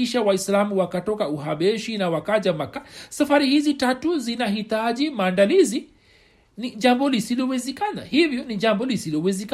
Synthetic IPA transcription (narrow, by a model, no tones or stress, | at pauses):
iʃawaislamuwakatɔkauɦaɓɛʃinawakaʄamakasafaɾihizitatuzinaɦitaʄimaːndalizi | niʄambɔlisilɔwɛzɛkana̰hivjɔniʄambɔlisilɔwɛzɛk